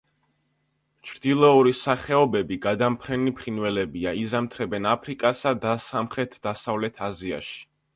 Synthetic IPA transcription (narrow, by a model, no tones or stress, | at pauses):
t͡ʃʰɾd̪ilˠɔuɾisaχɛɔbɛbiɡad̪ampʰɾɛnipʰɾinvɛlɛbiaizamt̪ʰɾɛbɛnapʰɾikʼasad̪asamχɾɛt̪ʰd̪̥asavlɛt̪ʰazia̰ʃi̥